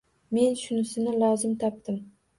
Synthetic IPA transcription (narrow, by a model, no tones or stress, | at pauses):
me̞nʃʊnɪsɪnɪlɒwzɪmt̪ʰɒp̚t̪ɪm